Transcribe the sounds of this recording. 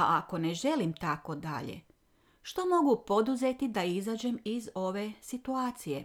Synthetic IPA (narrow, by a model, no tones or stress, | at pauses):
aʔako̞neʒe̞limt̪ako̞d̪a̰ʎḛ | ʃt̪o̞mo̞ɡupo̞d̪uze̞t̪id̪aizaːd͡ʑe̞mizo̞ʋe̞sit̪uaːt̪sije